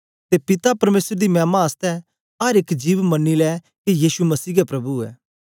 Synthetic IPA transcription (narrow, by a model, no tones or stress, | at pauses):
t̪epɪt̪apɐɾmeːsəɾd̪imɛ̃ːmaɐst̪ɛ | ɦɐɾɪkd͡ʒiːʋmɐnːilɛː | kijiːʃumɐsiːɡɛpɾɐbuɛ̰ː